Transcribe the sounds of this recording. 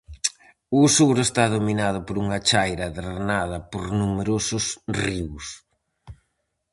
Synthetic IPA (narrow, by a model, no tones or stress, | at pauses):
ʊsuɾʊest̪aðominað̞ʊpoɾuŋɐt͡ʃajɾɐðeɾɾnaðɐpoɾnumeɾosʊsriws